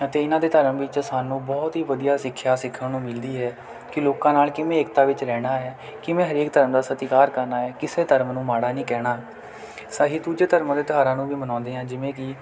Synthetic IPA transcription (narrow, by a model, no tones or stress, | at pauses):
ət̪eːɪnãːd̪eːt̪əɾəmʋɪt͡ʃsaːnũːbɔːt̪ɦiːʋəd̪ijaːsɪkʰːjaːsɪkʰːənnũːmɪld̪iːɦɛː | kɪloːkãːnaːlkɪmẽːeːk̚t̪aːʋɪt͡ʃɾɛːɽ̃aːɦɛː | kɪʋẽːɦəɾeːk̚d̪əɾəmd̪aːsət̪iːkaːɾkəɾnaːɛːkɪseːt̪əɾəmnũːmaːɽaːnĩːkɛːɽaː | saːɦiːd̪uːd͡ʒeːt̪əɾmãd̪eːt̪ɦaːɾãːnũːʋiːmənɔ̃ːnd̪eːãːd͡ʒɪʋẽːkɪ